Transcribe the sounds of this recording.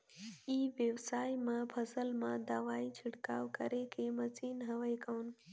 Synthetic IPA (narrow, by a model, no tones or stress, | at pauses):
iːʋjəʋsaːimãpʰɐsəlmãd̪aːʋaːit͡ʃʰɪɽkaːʋkəɾekʰemɐt͡siːnɦɐʋəekən